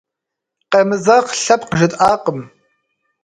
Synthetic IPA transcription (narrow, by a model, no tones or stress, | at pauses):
qemɨzaːχɬɐpqəʒɨtʼaːqʼəm